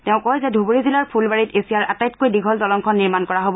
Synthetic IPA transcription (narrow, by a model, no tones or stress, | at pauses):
tɛʊ̃kɔjzɛdʱuboɹizilaɹpʰulbaɹitesijaɹʔatajtkojdiɡʱɔltɔlɔŋkʰɔnːiɹmankɔɹaɦobɔ